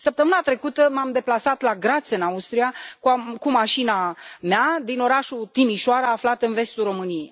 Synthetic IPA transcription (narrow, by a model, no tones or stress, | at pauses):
səp̚t̪əmɨnat̪ɾe̞kut̪əmamd̪e̞plasat̪laɡɾat̪sɨnaust̪ɾijakukumaʃinamead̪ino̞ɾaʃut̪imiʃoaɾaːflat̪ɨnve̞st̪uro̞mɨnijej